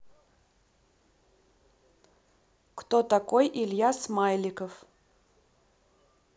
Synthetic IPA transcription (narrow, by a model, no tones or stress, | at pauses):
kt̪ot̪akojʔɪlʲjasmajlʲɪkəf